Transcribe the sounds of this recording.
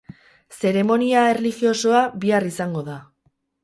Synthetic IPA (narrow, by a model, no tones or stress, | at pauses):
se̞ɾe̞mo̞niae̞rlixio̞so̞aβiarisaŋɡo̞ða